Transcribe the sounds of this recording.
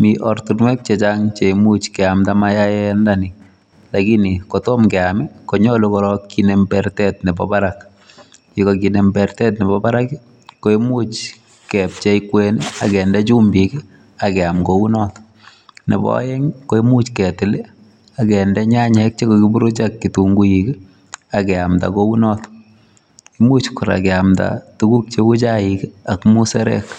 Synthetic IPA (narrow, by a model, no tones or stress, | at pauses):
miʔɔrtunwɛk̚t͡ʃet͡ʃaŋt͡ʃemut͡ʃkɛamtamajajɛndani | lakinikotɔmkɛamikoɲɔlokɔɾɔkːinembɛrtɛt̚nɛbɔ̰baɾak | t͡ʃekokinɛmbɛrtɛt̬nɛbɔbaɾaki | koemut͡ʃ | kɛp̚t͡ʃeikweniakɛndɛt͡ʃumbiki | akɛamkounɔt | nḛbɔ̰jɛŋkoemut͡ʃkɛtɪle | akɛndɛɲaɲɛk̚t͡ʃekoɡibuɾot͡ʃakːituŋɡuiki | akɛamta̰kounɔt | imut͡ʃkʊɾa̰kɛamta̰tukuk̚t͡ʃeut͡ʃaikakmusɛɾɛ̰k